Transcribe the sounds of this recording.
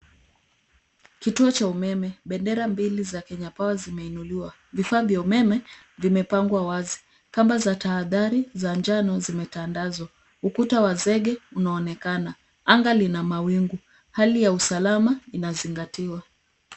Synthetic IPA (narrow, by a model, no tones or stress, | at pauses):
kituɔt͡ʃaumɛmɛɓɛndɛɾambilizakɛɲapawazimɛinuliwa | vifaːvjaumɛmɛ | vimɛpaŋɡwawazi | kambazataːðaɾizaɲd͡ʒanɔzimɛtandazwa | ukutawazɛɠɛunaɔnɛkana | aŋɡalinamawiŋɡu | halijausalamainaziŋɡatiwa